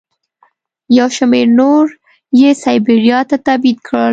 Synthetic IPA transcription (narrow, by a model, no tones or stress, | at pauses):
jawʃameɾnoɾ | jesajbiɾjɑt̪at̪abit̪̚kɽəl